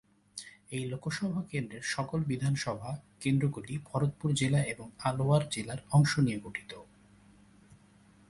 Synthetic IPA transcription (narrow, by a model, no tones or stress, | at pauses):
ejlokoʃɔbʱakend̪ɾeɾʃɔkolbid̪ʱanʃɔbʱakend̪ɾoɡulibʱɔɾot̪̚puɾd͡ʑelaeboŋaloaɾd͡ʑelaɾɔŋʃonijeɡoʈʰi̥t̪o